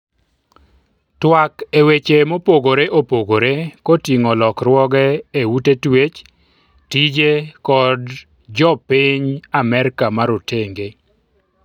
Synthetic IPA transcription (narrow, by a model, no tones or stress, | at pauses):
twakewet͡ʃemopoɡoɾeʔopoɡoɾekɔtiŋɔlɔkrwɔɡɛewutetwet͡ʃ | tid͡ʒekɔd | d͡ʒɔpɪɲamɛɾkamaɾoteŋɡe